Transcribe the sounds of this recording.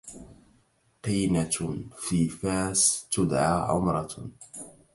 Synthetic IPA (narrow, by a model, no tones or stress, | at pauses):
qiːnafiːfaːst̪ʊd̪ʕaːʕʊ̰mɾˤɑ